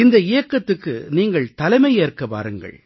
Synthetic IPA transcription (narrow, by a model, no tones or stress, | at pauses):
ɪnd̪ɐɪjɐkːɐt̪ːɯkːɯ̰niːŋɡɐɭt̪ɐlɐɪmɐɪjeːrkːɐpa̰ːɾɯŋɡɐ̰ɭ